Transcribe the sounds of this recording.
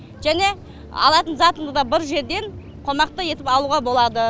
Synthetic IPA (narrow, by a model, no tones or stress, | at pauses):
ʒ̥æne̞ | ɑ̰lˠɑt̪ənzɑt̪əɴd̪əd̪ɑbɪɾʒe̞ɾd̪e̞ɴ | qʰo̞mɑq̚t̪əje̞t̪ɪpɑlˠuʁɑbo̞lˠɑd̪ə